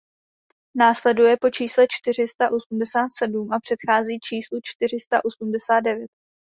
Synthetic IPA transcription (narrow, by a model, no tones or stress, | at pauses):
naːslɛdujɛpo̞t͡ʃiːslɛt͡ʃt̪ɪr̝ɪst̪aʔo̞sumdɛsaːt̪sɛdumʔapr̝̥ɛt̪xaːziːt͡ʃiːslut͡ʃt̪ɪr̝ɪst̪aʔo̞sumdɛsaːd̪̚dɛvjɛt̪̚